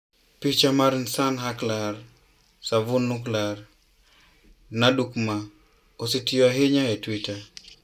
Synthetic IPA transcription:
pit͡ʃamaɾnsanɦaklar | savunːuklar | nadukma | ositijoaɦeɲaetwita

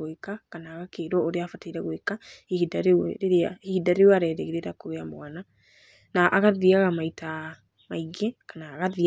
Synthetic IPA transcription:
ekakanaːɣakeɾwɔoɾeafataiɾɛɣoekahiidaɾeɾeɾeahiidaɾewaɾɛɾɛɣeɾeɾakoβeambowana | naʔaɣaðiaɣamaita | maiɣɛkanaːɣaði

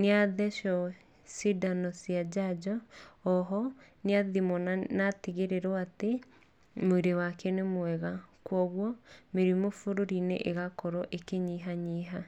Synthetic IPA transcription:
neaðɛʃɔ | sidanɔsiad͡ʑad͡ʒɔː | ɦɔneaðimɔnateɣeɾeɾɔate | moiɾewakɛnemwɛɣakwɔɣwɔmeɾimofoɾoɾinḛʔeɣakɔɾɔʔekeɲiɦaɲiɦa

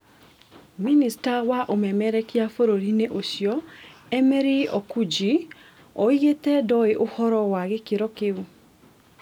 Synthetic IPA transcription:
ministawaʔomɛmɛɾɛkjafoɾoɾineʔosjɔɛmɛɾiɔkud͡ʒi | ɔietɛdɔeʔohɔɾɔwaɣekeɾɔkeu

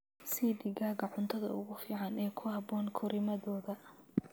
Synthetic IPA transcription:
sid̪ɪɣaːɣɐʕʊnt̪ʰɐðɐ̰ʊ̰ɣʊfiːʕɑnɛːkʰʊhɐbɔːnkʰɔɾɪmɐðɔːðɐ

